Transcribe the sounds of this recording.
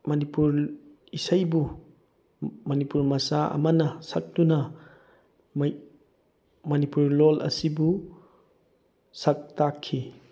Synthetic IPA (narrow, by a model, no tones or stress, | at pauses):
mɐnipuɾ | isajbu | mɐnipuɾmɐsaɐ̰mɐnɐsɐk̚tunɐ | m | mɐnipuɾlolʔɐ̰sibu | sɐk̚takʰːi